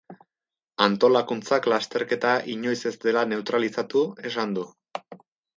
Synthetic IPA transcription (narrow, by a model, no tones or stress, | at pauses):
ant̪o̞lakunt͡saklast̪e̞ɾke̞t̪aʔiɲo̞jse̞zd̪e̞lane̞ut̪ɾalisat̪ue̞sand̪u